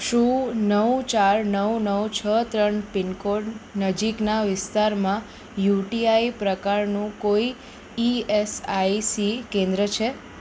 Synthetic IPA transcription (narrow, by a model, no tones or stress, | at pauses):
ʃũnəʋt͡ʃaɾnəwnəwt͡ʃʰət̪ɾəɳpɪnkoɖnəd͡ʒiknaʋɪst̪aɾmã | juʈiaipɾəkaɾnũkoi | iesaisikẽnd̪ɾət͡ʃʰe